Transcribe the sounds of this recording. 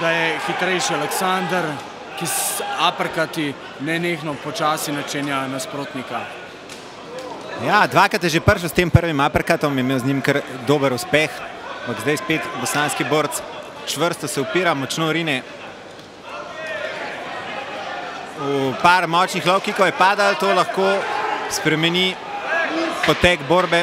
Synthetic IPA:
d̪̥ajɛxit̪ɾɛjʃialɛksand̪əɾ | kisapəɾkat̪i | nɛneːxnɔpɔt͡ʃaːsinat͡ʃɛnjanaspɾoːt̪nika | jad̪ʋaːkɾat̪jɛʒepəɾʃəwst̪eːmpəɾʋimaːpəɾkat̪ɔmjɛmeːwznɲimkəɾd̪oːbəɾuspɛxampaɡzd̪ajspeːt̪bɔsanskiboːɾt̪s | t͡ʃʋəɾst̪ɔsɛupiːɾamɔt͡ʃnoɾiːnɛ | upaːɾmɔt͡ʃnixlɔwkikɔwjɛpaːd̪alt̪oːlɐxkoːspɾɛmɛni | pɔt̪ɛɡboːɾbɛ

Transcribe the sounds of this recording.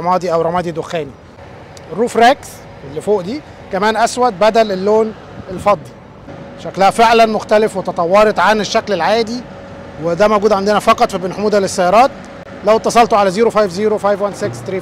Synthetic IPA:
mɑːd̪ˤiʔæwɾˤɑmɑːd̪ˤid̪oxæːni | erːuːfɾæks | elːifoːʔd̪iː | kæmæːnʔæswæd̪̚bæd̪ælelːoːn | elfɑd̪ˤːi | ʃæklæhæfeʕlænmoxt̪ælefwet̪ɑt̪ˤɑwːɑɾˤet̪ˤʕaneʃːæklelʕaːd̪i | wed̪æmæwɡuːd̪ʕand̪enæfɑqɑt̪ˤfibenħomuːd̪ælesːæjːɑɾˤɑːt̪̚ | læwt̪ːɑsˤɑlt̪oʕalæziːɾofajfziːɾofajvwænsekst̪ɾiː

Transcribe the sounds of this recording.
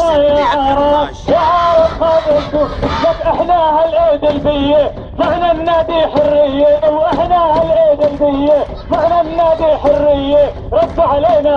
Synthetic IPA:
jaːʕɑːɾˤɑːb | jaʕɑːɾˤɑbxɑːdʕɪnd̪ʊlakʔɪħnaːhalʔeːd̪ɪlbɪjːe | faʕnamnaːd̪iːħʊrːɪjːewʔɪħnahalʔeːd̪ɪlbɪjːe | faħnamɪnaːd̪iːħʊrːɪjːe | ɾˤɑd̪ːʕaleːna

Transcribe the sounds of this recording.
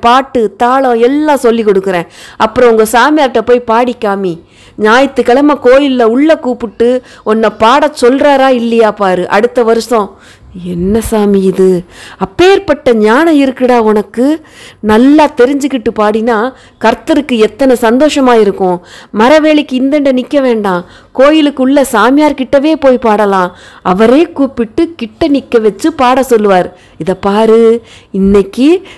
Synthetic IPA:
paːʈːɯt̪aːɭɐ̃ɛlːãːsɔlːikɔɽɯkːɯɾẽːɐpːɯɾɔ̃ʊŋɡɐsaːmɪjaːɾʈːɐpoːjpaːɽikːaːmi | ɲaːjɐt̪ːɯkɐɭɐmɐkoːjɪlːɐʊɭːɐkuːpɯʈːɯ | ɔnːɐpaːɽɐsɔlɾaːɾaːɪlːɐjaːpaːɾɯʔɐ̰ɽɯt̪ːɐʋɐɾɯsɔ̃ | ɛnːɐsaːmiɪðɯɐpːeːɾpɐʈːɐɲaːnɐ̃ɪɾɯkːɪɽaːʊnɐkːɯnɐlːaːt̪ɛɾɪɲd͡ʒɯkːɪʈːɯpaːɽɪnaː | kɐɾt̪ɐɾɯkːɯɛt̪ːɐnɐsɐnd̪oːʂɐmaːɪɾɯkːʊ̃mɐɾɐʋeːɭɪkːɯɪnd̪ɛɳɖɐnɪkːɐʋeːɳɖãː | koːjɪlɯkːʊɭːɐsaːmɪjaːɾkɪʈːɐʋeːpoːjpaːɽɐlãːɐʋɐɾeːkuːpɪʈːɯkɪʈːɐnɪkːɐʋɛt͡ʃːɯpaːɽɐsɔlːɯʋaːɾ | ɪðɐpːaːɾɯɪnːɛkːi

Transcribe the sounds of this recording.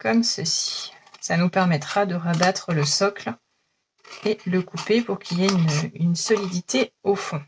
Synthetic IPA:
kɔmsəsi̥sanupɛʁmɛt̪χad̪əʁabat̪χələsɔkl | eləkupepuʁkʲʰiljeynynsɔlid̪it̪eofɔ̃

